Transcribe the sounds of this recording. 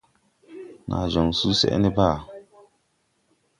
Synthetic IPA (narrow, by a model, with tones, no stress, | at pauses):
na̰˨ʒɔ˨ŋsuː˦sɛ̰˦ʔɛ̰˦nɪ˦baː˦˨